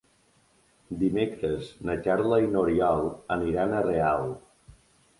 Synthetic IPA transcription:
d̪imekɾəznəkaɾləinoɾiɔlˠəniɾanərealˠ

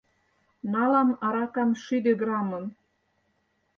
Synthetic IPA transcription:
nɑlɑmɑɾɑkɑmʃyd̪eɡɾɑmɤn

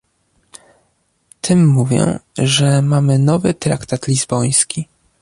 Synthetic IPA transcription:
t̪ʰɘmːuvʲjɛ̰ʐɛmamɘnɔvɘt̪ɾa̰kt̪at̪lʲizbɔj̃skʲi

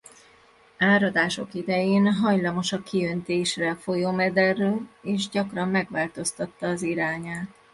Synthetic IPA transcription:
aːɾɒd̪aːʃokid̪ɛjeːnɦɒjlɒmo̞ʃɒkːiønt̪eːʃrɛfo̞joːmɛd̪ɛrːøːleːʒɟɒkrɒmːɛɡʋaːlt̪o̞st̪ɒt̪ːɒːziɾaːɲaːt̪

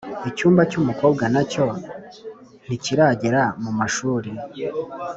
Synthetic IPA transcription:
icuːmbacumuko̞ːb̚ɡanaco̞ | n̥iciɾaɟe̞ɾamumaʃuːɾe

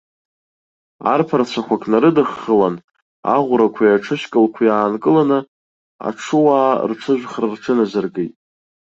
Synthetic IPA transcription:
a̰rpʰart͡ɕʷʰakʷakʼnaɾɨdɨχːəlan | a̰ʁʷɾakʷʰajaʈ͡ʂʰɨʃkʼɨlkʷʰajaːnkʼɨlanɨ | a̰ʈ͡ʂʰɨwaːrʈ͡ʂʷʰɨʒʷᶣχrarʈ͡ʂʰɨnazarɡejtʼ

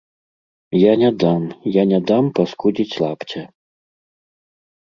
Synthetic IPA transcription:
janʲad̪amjanʲad̪ampaskud͡zʲit͡sʲlˠapt͡sʲɛ

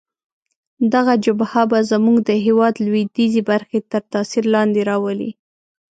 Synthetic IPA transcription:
d̪aɣad͡ʒʊbhabazəmuɡd̪əɦewɑd̪lwid̪izibaɾxet̪əɾt̪ɑsiɾlɑnd̪eɾɑwəlḭ

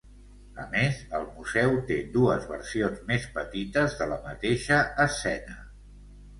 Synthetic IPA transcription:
əmezəlˠmuzɛwt̪ed̪uəzβə̰ɾsionzmespət̪it̪əzðələmət̪eʃəːsɛnə

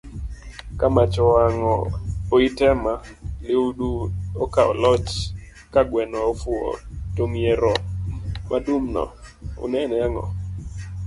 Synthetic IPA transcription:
kamat͡ʃɔaŋɔoitɛma | lɪuduokaɔ̰lɔt͡ʃ | kaɡwɛnɔofʊo̰toŋjeɾɔmʔadumnɔ̰o̰nɛnɛaŋɔ̰

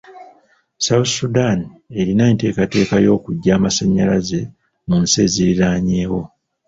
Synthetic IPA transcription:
sawusudanie̞ɾinaente̞ːkate̞ːkajo̞ːkuɟːaːmasaɲːalaze̞ | munseːziɾiɾaːɲeːwo̞

